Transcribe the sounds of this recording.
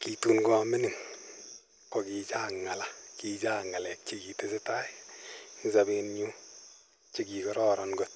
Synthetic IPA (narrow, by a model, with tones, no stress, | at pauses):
kitu˨nɡu˦a˨mi˦ni˨ŋ | kɔ˨ki˧t͡ʃaː˦ŋːa˨la˨kid͡ʒaː˦ŋːa˨lɛ˨k̚t͡ʃi˧ki˨te˦sɪ˦ta˦ | ŋsabenɲu˦ | t͡ʃi˦ki˨kɔ˦ɾɔ˦ɾɔnɡo˦t̚